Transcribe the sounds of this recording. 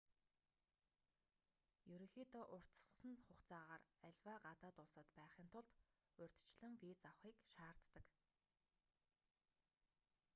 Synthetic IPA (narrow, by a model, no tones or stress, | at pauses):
jɵɾɵ̆ŋxiːt̪ɔːʔʊr̥t̪̆s̆sə̆nχʊχt͡saːʁaːræɮʲwaːɢat̪aːt̪ʊɮsə̆t̪pæːχiːnt̪ʰʊɮt̪ | ʊrʲt̪t͡ɕɮɘ̆ŋwiːt͡sawχiːkʃaːr̥t̪ːə̆k